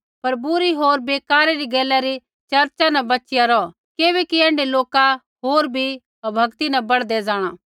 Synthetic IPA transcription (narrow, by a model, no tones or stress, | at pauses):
pɐɾbʊɾiɦoːɾbeːkaːɾeɾiɡɛːlːaɾi | t͡ʃɐɾt͡ʃanɛ̃bɐtːt͡ʃɪjaɾɔ | keːʋɛkiɛ̃ːɳɖeloːka | ɦoːɾbʱi | bʱɐɡt̪inɛbɐɽd̪ɛd͡zaːɽ̃a